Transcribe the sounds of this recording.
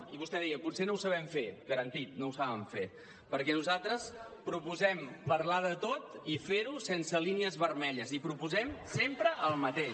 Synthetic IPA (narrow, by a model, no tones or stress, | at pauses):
iβust̪ɛðɛəpusenowsəβɛmfeɣəɾənt̪it̪̚nowsaβəɱfe | pəɾkɛnuzalˠt̪ɾəspɾupuzɛmpəɾlaðət̪ot̪ifeɾusensəliniəzβərmɛʎəzipɾupuzɛmsempɾəʔəlˠmət̪eʃ